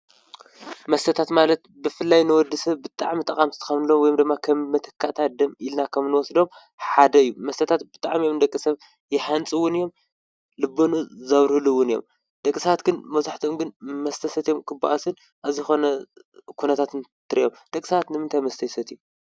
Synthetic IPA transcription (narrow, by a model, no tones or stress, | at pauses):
mɐst̪ʰɐt̪ʰat̪malɐt̪bɨfɨlːajnɨwɔd̪ɨsɐβːɨt̪ʼaʕmit̪ʼɐkʼamzɨ̥t̪ʰɨ̥xɐβnɨlomwɔjomd̪ɨmːakʰɐmːɐt̪ʰɐ̥kʰːaʔt̪ʰad̪ɐmilnakʰɐmnɨwɔsd̪o̞m | ħad̪ɐɨjːumɐst̪ʰɐt̪ʰat̪bɨt̪ʼaʕmijomd̪ɐkʼːɨsɐβ | jɪħant͡sʼɨwːʊnɨjːo̞m | lɨbːonuzɐβɾhɨluwːʊnɨjo̰m | d̪̥ɐkʼːɨsɐβat̪ɡɨnmɐzaħt̪ʰomɡɨnmɐst̪ʰɐsɐt̪jomkʰɨbːa̰ʔasɨn | ʔaβzijxo̞nɐ | kʰunɐt̪ʰat̪nt̪ʰɨɾijomd̪̥ɐkʼːsɐat̪nɨmɨnt̪ʰajmɐst̪ʰɐsɐt̪iju